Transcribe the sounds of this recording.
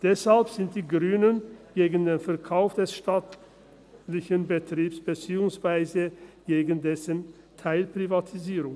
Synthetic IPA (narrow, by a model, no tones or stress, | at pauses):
d̥ɛshalpz̥ɪnt̚d̥iːɡʁyːnənɡ̥eːɡən̩deːnfɛɐkʰaʊfd̥ɛsʃtat | lɪçənbətʁ̥iːpsb̥ət͡siːʊŋsv̥aɪzəɡ̥eːɡən̩dɛsən | tʰaɪlpʁ̥ivatʰiziːʁʊŋ